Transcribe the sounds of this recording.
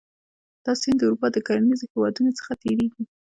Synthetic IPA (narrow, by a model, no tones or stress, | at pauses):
d̪̥ɑsɪnd̪əuɾupɑd̪əkaɾanizehewɑd̪unot͡sə̥xat̪eɾeɡi